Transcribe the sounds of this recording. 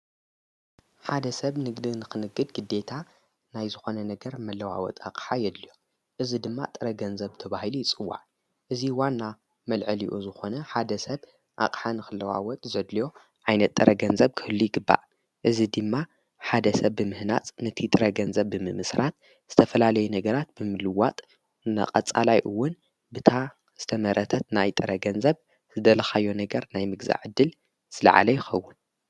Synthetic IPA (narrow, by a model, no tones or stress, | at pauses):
ħad̪ɐsɐβnɨɡd̪ɨnɨxɨnɨɡːɨd̪ɡɨd̪ːe̞t̪ʰa | najzɨxo̞nɐnɐɡɐɾmɐlːɐwa̰wɔ̰t̪ʼa̰qʼħajɛd̪lijo | ʔɨzid̪ɨmːa̰t̪ʼɨɾɐɡɐnzɐβt̪ʰɐβahilujɪt͡sʼɨwːa̰ʕ | ʔɨziwanːa | mɐlʕɨliʔuzɨxo̞nɐħad̪ɐsɐβ | ʔa̰kʼħanɨxɨlːɐwa̰wɔt̪ʼzɐd̪lijo̞ | ʕajnɐt̪ʼːɨɾɐɡɐnzɐβkʰɨhɨlːujɪɡɨbːa̰ʔ | ʔɨzid̪ɨmːa | ħad̪ɐsɐβːɨmɨhna̰t͡sʼnɨt̪ʰit̪ʼɨɾɐɡɐnzɐβːɨmɨmɨsɾat̪̚ | z̥ɨt̪ʰɐfɐlalɐjunɐɡɐɾat̪̚bɨmɨlɨwat̪ʼ | nɐ̰qʼɐt͡sʼa̰lajʔɨwːʊn | bɨt̪ʰa | z̥ɨt̪ʰɐmɐɾɐt̪ʰɐt̪najt̪ʼɨɾɐɡɐnzɐβ | z̥ɨd̪ɐlɐxajːo̞nɐɡɐɾnajmɨɡza̰ʕɨd̪ːɨl | sɨla̰ʕa̰lɐjɪxɐwːʊn